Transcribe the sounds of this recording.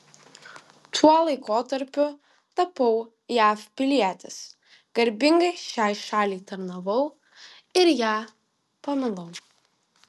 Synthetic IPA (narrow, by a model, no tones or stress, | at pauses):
t̪ʰuɔlˠɐɪkoːt̪ɐɾʲpʲʊ | t̪ɐpɐʊ | jæːfpʲɪlʲiɛt̪ʲɪs | ɡ̥ɐɾʲbʲɪŋɡɐɪʃʲæːjʃɑːlʲeɪt̪ɐɾnɐʋɐʊ | ɪɾjæː | pɐmʲɪlˠɐʊ